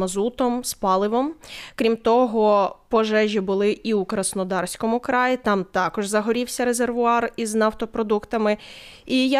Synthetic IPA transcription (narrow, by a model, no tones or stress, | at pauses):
mɐzut̪ɔmspɑlˠɪʋɔmkɾʲimt̪ɔɦɔpɔʒɛʒʲibʊlˠɪʔiukɾɐsnɔd̪ɑrsʲkɔmʊkɾɑjit̪ɑmt̪ɑkɔʒzɐɦɔɾʲiwsʲɐɾe̞zerʋʊɑriznɐwt̪ɔpɾɔd̪ukt̪ɐmɪ | ija